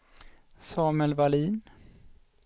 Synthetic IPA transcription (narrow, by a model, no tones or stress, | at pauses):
sɑːmɛlvaliːn